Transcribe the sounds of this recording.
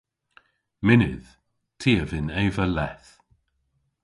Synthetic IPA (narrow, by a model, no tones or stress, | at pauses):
mɪnɪð̥ | tʰiːəvɪnɛːvəlɛθ